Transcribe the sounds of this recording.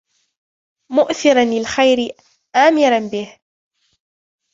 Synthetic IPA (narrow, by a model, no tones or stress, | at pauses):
mʊʔθɪɾanlɪlxajɾɪ | ʔaːmɪɾanbɪh